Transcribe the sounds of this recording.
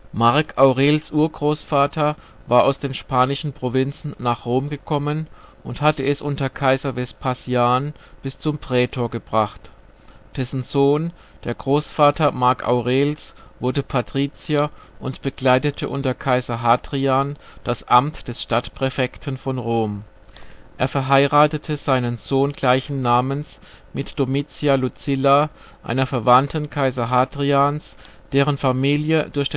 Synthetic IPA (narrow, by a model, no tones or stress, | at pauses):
maɐkʔaʊʁeːlsʔuːɐɡʁoːsfaːtʰɐ | vaːɐʔa̰ʊsd̥eːnʃpaːnɪʃn̩pʁ̥ovɪnt͡sn̩ːaːχʁ̥oːmɡəkʰɔmənʔʊnthatəɛsʔʊntɐkʰaɪzɐvɛstpʰasjaːn | b̥ɪst͡sʊmpʁ̥ɛːtʰoːɐɡəbʁaχt | d̥ɛsn̩zoːn | d̥eːɐɡʁoːsfaːtʰɐmaɐkʰʔa̰ʊʁeːlsvʊɐdəpʰatʁ̥iːt͡sjaʔʊntb̥əɡ̥laɪtətʰəʔʊ̰ntɐkʰaɪzɐɦaːdʁiand̥asʔamtd̥ɛsʃtatpʁ̥ɛfɛktʰən̩fɔnʁoːm | ʔeːɐfɛɐɦaɪʁaːtətʰəz̥aɪnənzoːnɡlaɪçn̩ːaːməns | mɪtd̥omit͡sjalut͡sɪla | ʔa̰ɪnɐfɛɐvantʰənkʰaɪzɐɦaːdʁians | d̥eːʁ̞ənfamiːljədʊɐçd̥eː